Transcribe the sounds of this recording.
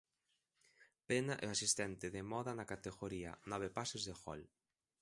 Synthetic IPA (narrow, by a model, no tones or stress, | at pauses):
penaʔɛ̰oasist̪ɛnt̪ɪðemɔðanakat̪eɣoɾiɐ̰nɔβepasezðexɔ̰l